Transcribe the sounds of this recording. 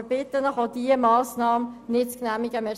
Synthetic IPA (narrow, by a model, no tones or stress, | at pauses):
bɪt̪ːənəχodiəmɑːsnɑːmnɪt͡sknæmiɡəmɛ